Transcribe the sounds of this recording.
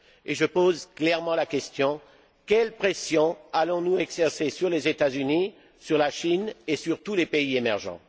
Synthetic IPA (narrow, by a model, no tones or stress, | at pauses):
eʒəpozklɛʁmɑ̃lakʲɛst̪jɔ̃ | kʲɛlpχesjɔ̃alɔ̃nuɛɡzɛʁsesyʁlezet̪azyni | syʁlaʃinesyʁt̪ulepeiemɛʁʒɑ̰̃